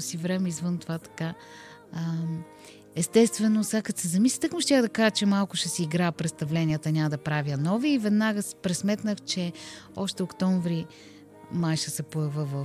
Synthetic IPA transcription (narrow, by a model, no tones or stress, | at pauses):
sivɾɛmɛizvənt̪ovat̪ɐ̥ka | ɛst̪ɛst̪vɛnosakət̪sɛzɐmislʲit̪əkmʊʃt̪ʲjaɡd̪ɐkaʒət͡ʃɛmalˠkʊʃɛsiːɡɾapɾɛt̪st̪ɐvlɛnʲijət̪ənʲaməd̪ɐpɾavʲjənɔviːvɛd̪naɡəspɾɛsmɛt̪nəxt͡ʃɛɔʃt̪ɛokt̪ɔɱvɾi | majʃəsɛpoɛvəvə